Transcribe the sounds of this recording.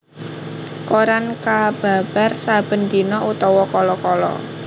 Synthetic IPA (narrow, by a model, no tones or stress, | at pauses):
koɾankab̥a̤b̥a̤rsab̥ə̤nd̪inɔʔut̪ɔwɔkɔlɔkɔlɔ̰